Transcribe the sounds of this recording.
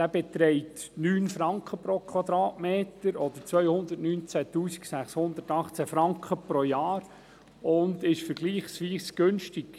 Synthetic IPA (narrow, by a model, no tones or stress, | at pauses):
d̥æːbɛt̪ɾɛɪtnyːnfɾɑŋkχəpɾokʰwɑd̪ɾɑːtmeːtəɾɔd̪ət͡sʋœʏhʊnd̪ətnyːnt͡sætuːsi̥ksæχshʊnd̪ətɑχt͡sæfɾɑŋkχəpɾojɑːɾ | ʊndɪʃfəɾɡliːχsʋiːsɡ̥ɵnʃtik